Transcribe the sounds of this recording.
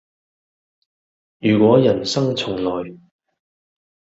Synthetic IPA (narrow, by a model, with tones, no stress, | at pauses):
jyː˨˩kʷɔː˨˥jɐ˨˩nsɐ˥ŋt͡sʰʊ˨˩ŋlɔː˨˩j